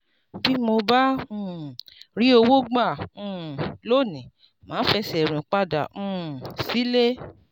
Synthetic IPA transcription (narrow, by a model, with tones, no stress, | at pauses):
bi˦mo˧ba˦ũ˦˨ɾi˦o˧wo˦ɡ͡ba˦˨ũ˦˨lo˦˨nĩ˨ | mãː˨˦fɛ˧sɛ˨ɾ̃ĩ˨k͡pa˦da˨ũ˦˨si˨˦le˦